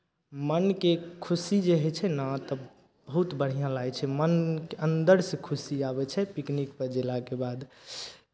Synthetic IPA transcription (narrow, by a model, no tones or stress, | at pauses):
mənkekʰusid͡ʒeɦɛt͡ʃʰɛnat̪ɔ | bəɦut̪bəɽ̤ijãlajt͡ʃʰɛmənkeənd̪əɾsẽkʰusiabɛt͡ʃʰɛpiknikpəɾd͡ʒelakebad̪